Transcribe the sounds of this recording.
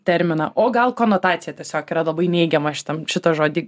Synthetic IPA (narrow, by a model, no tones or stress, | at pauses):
t̪ʲɛɾʲmʲɪnɐʔoːɡɐlˠkoːnoːt̪ɑːt͡ssʲɪjɛt̪ʲiɛsʲoːkiːɾɐlˠɐbɐɪnʲɛɪɡʲɛmɐʃʲɪ̥t̪ɐmʃʲɪt̪oːʒoːd̪ʲiː